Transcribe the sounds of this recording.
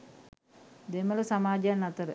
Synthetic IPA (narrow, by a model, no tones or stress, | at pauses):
d̪emələsamaːd͡ʒanːɐt̪əɾə